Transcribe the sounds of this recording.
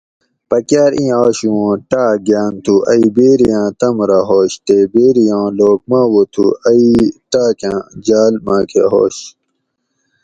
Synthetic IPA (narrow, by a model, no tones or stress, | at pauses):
pɐkjaːɾʔĩːaːɕuwõːʈaːɡaːnt̪ʰuɐibeːɾijãːt̪ɐmɾaɦoːɕt̪ebeːɾijãːloːk̚mãːwot̪ʰṵɐiʈaːkjãːd͡ʑaːlmaːkʰḛɦo̰ːɕ